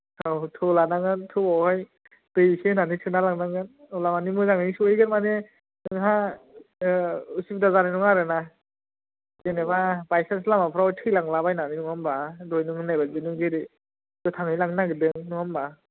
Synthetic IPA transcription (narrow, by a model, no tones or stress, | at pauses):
awtʰɯlanaŋɯntʰɯbɔhaj | dɯjsenanisʰɯnalaŋnaŋɯn | ɔlamanimɯzaŋnɯŋsuejɡɯnmane | ɯŋɦa | usip̚dazananuŋaɾɯna | zenebabajsanslamapʰɾaɔjtʰɯjlaŋlabajnaninuŋambadojnuŋɯnajbazɯnɯŋzeɾi | dɯtʰaŋɯjlaŋnaɡɯdɯŋnuŋamba